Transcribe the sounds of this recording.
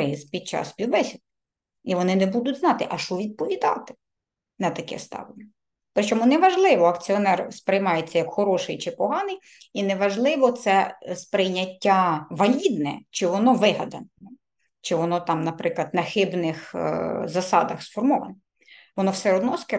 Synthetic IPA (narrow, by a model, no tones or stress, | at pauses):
ɪspʲid̪̚t͡ʃɑ̰spʲiwbɛsʲid̪ | iʋɔnɪnɛbud̪ʊtʲznɑt̪ɪʔɐʃɔʋʲid̪̚pɔʋʲid̪ɑ̰t̪ɪ̥ | nɐt̪ɐkɛ̰st̪ɑ̰ʋɪnʲɛ | pɾɪt͡ʃɔmunɛʋɐʒlˠɪʋɔɐkt͡sʲiɔnɛrspɾɪjmɑjet͡sʲːɐjɐkxɔɾɔʃɪjt͡ʃɪpɔɦɑnɪj | inɛʋɐʒlˠɪʋɔt̪sɛspɾɪjnʲɐtʲːaʋɐlʲid̪nɛ̰t͡ʃɪʋɔnɔʋɪɦɐd̪ɐnɛ | t͡ʃɪʋɔnɔt̪ɑmnɐpɾɪklˠɐd̪nɐxɪbnɪxzɐsɑ̰d̪ɐxsfɔrmɔʋɐ̰nɛ | ʋɔnɔwsɛɾɔd̪nɔskɛ